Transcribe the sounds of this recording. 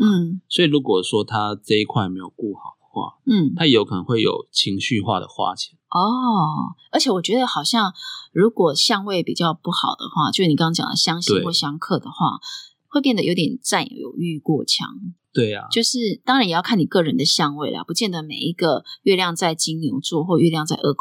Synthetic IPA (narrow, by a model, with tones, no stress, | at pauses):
n̩˥˩swɔ˧˥i˨lu˧˦˥kwɔ˨˩ʂwɔ˥t̪ʰa˦ʈ͡ʂɤ˥˧i˦˥kʰwa˥ɪme˧˥ɪjo˨˩ʊku˥˩xɑ˨˩ʊd̥̪ə˩xwa̰˥˩n̩˥˩t̪ʰa˥jo˧˥ʊkʰɤ˨˩nə̰˧˦ŋxwe˥˩ɪjo̰˨˩ʊt͡ɕʰi˧˥˦ŋɕy˥˧xwa̰˥˧˩d̪ə̰˩xwa̰˥t͡ɕʰi˧˩˦ɔ˥˩ | ə˧˥t͡ɕʰɛ˨˩wɔ˨˩t͡ɕɥɛ˧˥d̪ə˧xɑ˨˩ʊɕjɑ˥˩ŋɻu˨˥kwɔ˨˩ɕjɑ˥˧ŋwe˥˩ɪpḭ˨˩t͡ɕjɑ˥˧ʊpu˥˩xɑ˨˩ʊd̪ə̰˦xwa̰˥˧t͡ɕjo˥˧ʂɻ̩˥ni˨kŋɑ˥t͡ɕjɑ̰˨˩nd̪ə̰˨˩ɕjɑ˥ŋɕi˥ŋwɔ˥˩ɕjɑ˥ŋkʰɤ˥˩d̪ə˩xwa̰˥˩ | xwe˥˧p̬jɛ˥˩nd̪ə˩jo˧˥ʊt̪jɛ˨˩nt͡sa˥˩nj̰jo̰˨˩ʊy˥˧kwɔ˥˩t͡ɕʰjɑ̰˧˥ŋt̪we˥˩ɪa̰˨˩t͡ɕjo˥˧ʊʂɻ̩˥˩t̪ɑ˥ŋɻa˨˦njɛ˨˩jkʰa˥˩ni˨˩kɤ˥˩ɻə˧˦nd̪ə˨ɕjɑ˥˧ŋwe˥˩ɪl̰pu˧˥t͡ɕjɛ˥˩nd̪ə˩mḛ˨˩ɪi˦˥ɡə˨ɥɛ˥˧ljɑ˥˧ŋt͡sa˥˩ɪt͡ɕi˥ŋnu˧˥ŋt͡swɔ˥˧xwɔ˥˧ɥɛ˥˧ljɑ˥˧ŋt͡sa˥˧ɪʔə˥˩kʰ